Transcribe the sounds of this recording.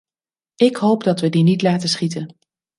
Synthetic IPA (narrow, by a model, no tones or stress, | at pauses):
ɪkɦowpdɑtʋədinitlaːtəsχitən